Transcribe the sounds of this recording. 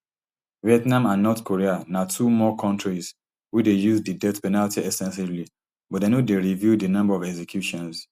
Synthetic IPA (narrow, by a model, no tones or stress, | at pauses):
viɛtnãmãnːɔtkʰoɹianatʰumɔkʰɔ̃ntɹiz | widejuzdidɛtpɛnaltiɛsɛ̃nsivli | bɔtdenodeɹivjudənʌ̃mbaɔvɛɡsɛkʰjuʃɔ̃ns